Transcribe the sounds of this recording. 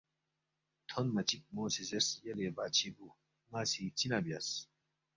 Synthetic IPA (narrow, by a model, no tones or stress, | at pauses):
t̪ʰonmɐt͡ɕik̚moːsizesjɐlebaːt͡ɕʰibu | ŋaːsit͡sinabjas